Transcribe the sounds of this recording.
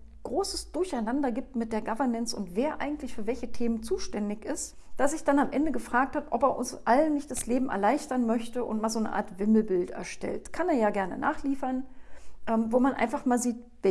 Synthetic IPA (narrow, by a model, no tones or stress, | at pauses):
ɡ̥ʁoːsəsd̥ʊɐçaɪnandɐɡiːp̚tmɪt̚d̥eːɐɡavɐnɛnt͡sʊ̰ntv̥eːɐʔa̰ɪɡŋ̩tlɪçfyːɐvɛlçətʰeːmənt͡suːʃtɛndɪçɪst | d̥asz̥ɪçd̥anamʔɛndəɡəfʁ̥aːk̚thatʔɔpeːɐʔʊ̰nsʔalənːɪçtd̥asleːbm̩ʔɛ̰ɐlaɪçtɐnmœçtəʔʊ̰ntmaːlzoːnə̰ʔa̰ːɐtv̥ɪml̩bɪltɛ̰ɐʃtɛ̰ltkʰaneːɐjaːɡɛɐnə̰nʔa̰ːχliːfɐnʔɛːmvoːmanʔa̰ɪnfaχmaːlziːt | v